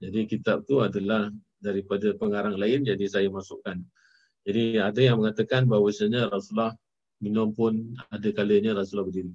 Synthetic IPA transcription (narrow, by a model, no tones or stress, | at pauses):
d͡ʒadikit̪ap̚t̪uadalah | daɾipadapəŋaɾaŋlaɪnd͡ʒadisajamasʊʔkan | d͡ʒadiadajaŋməŋat̪əkanbaɦwasaɲəɾasulah | minʊmpʊnadəkaləɲəɾasulahbədiɾi